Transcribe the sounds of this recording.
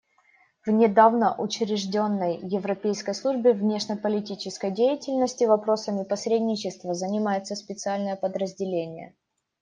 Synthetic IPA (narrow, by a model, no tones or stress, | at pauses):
vnʲɪd̪avnəʔʊt͡ɕɾʲɪʐdʲo̞nːəjːɪvɾɐpʲejskəjslˠuʐbʲɪvnʲe̞ʂnʲɪpəlʲɪtʲit͡ɕɪskəjdʲejɪtʲɪlʲnəsʲtʲɪvɐpɾo̞səmʲɪpɐsʲɾʲedʲnʲɪt͡ɕɪst̪vəzənʲɪmajɪt̪səspʲɪt̪sɨalʲnəjəpəd̪ɾəzʲdʲɪlʲenʲɪjə̰